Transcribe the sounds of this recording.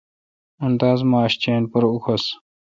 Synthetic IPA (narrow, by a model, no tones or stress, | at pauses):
unt̪aːzmaːɕt͡ɕeːnpɐɾuxʰɐs